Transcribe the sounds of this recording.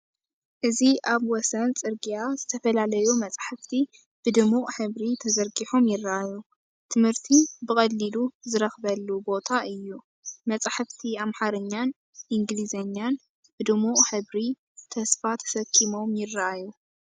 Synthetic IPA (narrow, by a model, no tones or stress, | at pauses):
ʔɨziʔaβwɔsɐnt͡sʼɨɾɡijazɨt̪ʰɐfɐlalɐjumɐt͡sʼħɨft̪ʰi | b̥ɨd̪ɨmuʔħɨβɾit̪ʰɐzɐɾɡiħomjɪrːaʔaju | t̪ʰɨmhɨɾt̪ʰibɨkʼɐlːiluzɨɾɐxbɐlːubo̞t̪ʰaʔɨjːu | mɐt͡sʼħɨft̪ʰiamħaɾɨɲːan | ʔiŋɡlizɐɲːan | bɨd̪ɨmuʔħɨβɾi | t̪ʰɐsfat̪ʰɐ̥sɐkʰːimo̞mjɪrːaʔaju